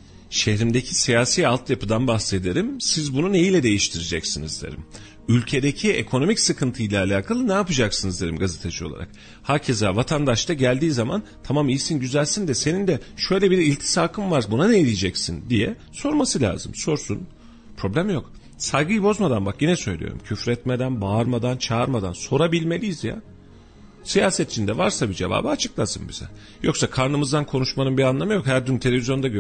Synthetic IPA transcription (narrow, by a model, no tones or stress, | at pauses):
ʃe̞hɾimd̪ecʰisijaːsiːalˠt̪japɯd̪anbaxse̞d̪eɾimsizbunune̞jilʲɛd̪e̞jiʃt̪ʰiɾed͡ʒɛcsinizd̪ḛɾḭm | ylʲcʰe̞d̪e̞cʰiekʰo̞no̞micsɯkʰɯnt̪ʰɯjlʲaːlʲaːkʰalˠɯnɛapɯd͡ʒaksɯnɯzd̪eɾḭmɡazet̪ʰed͡ʒio̞lˠa̰ɾa̰k̚ | haɾcʰezavat̪ʰand̪aʃt̪ʰaɟælʲd̪iːzamant̪ʰamamijsinɟyzælʲsind̪ɛse̞nind̪ɛʃø̞jlʲɛbiɾilʲt̪ʰi̥saːkʰɯmvaɾbunaneelʲijd͡ʒɛcsind̪ijɛ | so̞ɾmasɯlʲa̰ːzɯmso̞ɾsun | pʰɾo̞blʲæmjo̞k | sajɡɯjɯbo̞zmad̪anbakjinɛsø̞jlʲḭjo̰ɾṵmcʰyfɾɛt̪med̪ænbaːɾmad̪ant͡ʃʰaaɾmad̪a̰nso̞ɾabilʲme̞lʲijizja̰ | sijaːsɛt̪ʰit͡ʃʰind̪ɛvaɾsabid͡ʒe̞va̰ːbɯat͡ʃʰɯ̥klˠasɯmbḭz̥ɛ̰ | jo̞ksakʰaɾnɯmɯzd̪ankʰo̞nuʃmanɯmbianlˠamɯjo̞khæɾd̪ynt̪ʰe̞lʲevʲizjo̞nd̪aɟø